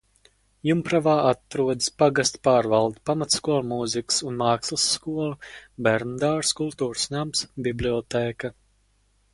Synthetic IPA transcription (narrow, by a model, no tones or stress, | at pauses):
jumpɾavaːʔat̪ɾuɔd̪ɨ̥spaɡast̪paːɾvalˠd̪ipamat̪skuɔlˠmuziksunmɑːkslˠɨsːkuɔlˠubɛɾnd̪aːɾskulˠt̪uːɾsnamsbiblʲiɔt̪eːka